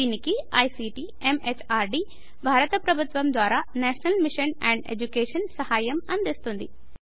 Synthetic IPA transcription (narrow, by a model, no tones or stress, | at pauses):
iːnɪkiaːisiʈi | emet͡ɕʰaːɾɖiː | bʱaːɾət̪əpɾɐbʱʊt̪ʋɐmd̪waːɾanɛːʃnəlmɪʃənɛ̃ːɳɖḛːd͡ʑukeːʃənsɐhaːjəmɐ̃nd̪est̪ʰũːnd̪iː